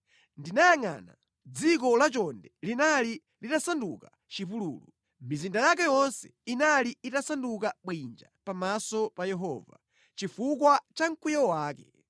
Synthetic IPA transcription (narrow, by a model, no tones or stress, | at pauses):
ndinajaŋa̰ːna̰ | d͡zik̬ɔlat͡ʃɔndɛlinali | litasanduka | t͡ʃipulṵːlu | mizindajakɛjɔnsɛ̥̰inaliːtasandukaɓwind͡ʒa̰pamasɔpajɛɦɔ̰ːva̰ | t͡ʃifukwat͡ʃaŋ̩kujɔwaːkɛ̰